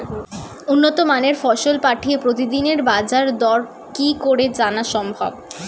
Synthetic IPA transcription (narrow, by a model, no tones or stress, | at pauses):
unːot̪omaneɾfɔʃolpaʈʰiepɾot̪id̪ineɾbad͡ʑaɾd̪ɔɾ | kikoɾed͡ʑanaʃɔmbʱɔ̰b